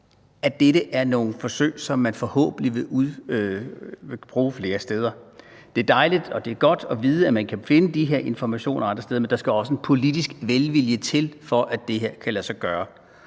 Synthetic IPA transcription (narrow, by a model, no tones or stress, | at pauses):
æd̥eɾəʔæɐno̝ːn̩fɒ̽sø̰ːɪsɒ̽mːænfɒ̽hɔ̰̽ːb̥ən̩iʋe̝uðˠ | ʋe̝b̥ʁuːfle̝ːɐsd̥eð̞ˠɐd̥e̝æɐd̥ɑ̈ɪlid̥ɒ̽d̥e̝æɐɡ̥ɒ̽d̥ɒ̽ʋiːð̞ˠəæmænkʰæfe̝nəd̥iɦe̝ɐe̝nfɒmæɕo̝̰ːnɐɒɑ̈nd̥ɐsteð̞ˠɐmend̥ɑ̈sɡ̥æɒ̽səe̝npʰo̝lid̥isɡ̥ʋelʋiljət͡sʰe̝lfɒ̽ʔæd̥e̝ɦe̝ɐ̰kʰælæsɐɡ̥ɶːɐ